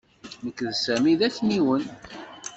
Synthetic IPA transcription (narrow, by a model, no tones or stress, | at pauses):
məkːðsæmiðæçniwən